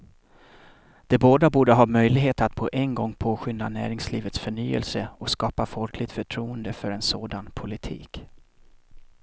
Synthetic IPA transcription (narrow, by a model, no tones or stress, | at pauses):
d̪̥ɛboːd̪abuːɖəɦɑːmœjlɪɡɦeːt̪at̪pʰɔʔɛnɡɔŋːpʰoːɧʏnd̪anæ̰ːɾɪŋsliːvət̪sfœɳyːə̰lsəɔskɑːpafɔlkʰlɪɡ̚t̪fœʈʰɾuːənd̪əfœɾɛnsoːd̪anpʰʊlɪt̪ʰḭːk